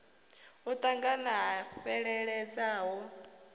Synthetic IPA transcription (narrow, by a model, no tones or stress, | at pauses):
ut̪ʼaŋɡanaɦaɸɛɺɛɺɛd͡zaːɦɔ